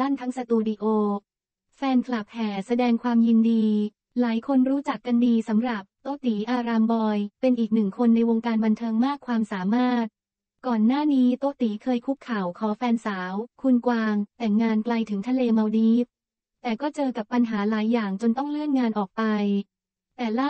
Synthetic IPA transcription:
la˥˩nt̪ʰa˦˥ŋsa˧t̪uː˧di˧ʔoː˧ | fɛː˧nkʰla˨˩p̚hɛː˩sa˧dɛː˧ŋkʰwaː˧mji˧ndiː˧ | laː˩˦jkʰo˧nɾuː˦˥t͡ɕa˨˩kːa˧ndiː˧sa˩˦mɾa˨˩p̚t̪oː˧˥t̪iː˩˦ʔaː˧ɾaː˧mbɔː˧jpe˧nʔiː˨˩k̚nɯ˨˩ŋkʰo˧nːa˧jwo˧ŋkaː˧nba˧nt̪ʰɤː˧ŋmaː˥˩kʰwaː˧msaː˩˦maː˥˩t̪̚ | kɔː˨˩nːaː˥˩niː˦˥t̪oː˧˥t̪iː˩˦kʰɤː˧jkʰu˦˥p̚kʰa˨˩wkʰɔː˩˦fɛː˧nsaː˩˦wkʰu˧nkwaː˧ŋt̪ɛ˨˩ŋːaː˧nkla˧jt̪ʰɯ˩˦ŋt̪ʰa˧leː˧ma˧wdiː˦˥p̚ | t̪ɛː˨˩kɔː˥˩t͡ɕɤː˧ka˨˩pːa˧nɦaː˩˦laː˩˦jːaː˨˩ŋt͡ɕo˧nt̪ɔ˥˩ŋlɯ˥˩ənŋaː˧nʔɔː˨˩k̚pa˧j | t̪ɛː˨˩la˥˩

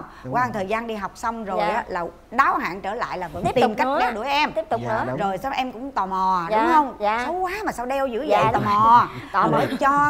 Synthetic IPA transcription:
kwaː˧nt̪ʰəː˨˩jzaː˧nɗi˧ɦa˨˩wk͡p̚sa˧wŋ͡mzo˨˩˨jʔaː˨˦laː˨˩ | ɗaː˨˦wɦa̰ː˧˨nt͡ɕəː˧˩la̰ː˧˨jlaː˨˩və̰˧˥t̪i˨˩mkj̟ɗɛ˧wɗɨ˧˩əjʔɛ˧mi˦˥p̚t̪ʊ˨˩k͡p̚nɨ˧˦zo˨˩jsa˧wʔɛ˧mkʊ̰˧˥ŋ͡mt̪ɔ˨˩mɔ˨˩ɗʊ˨˦ŋ͡mhə˧wŋ͡msa˨˦wkwaː˨˦maː˨˩saː˧wɗɛ˧wzɨ̰˧˥˦zə̰˧˨ɔ˨˩mɔ˨˩˧ɓəː˧˩t͡ɕɔ˧

